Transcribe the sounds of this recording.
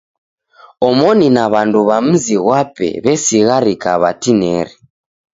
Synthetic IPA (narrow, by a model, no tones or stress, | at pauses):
ɔmɔninaβanduβam̩ziɣwapɛ̰βɛsiɣaɾikaβa̰tinɛɾi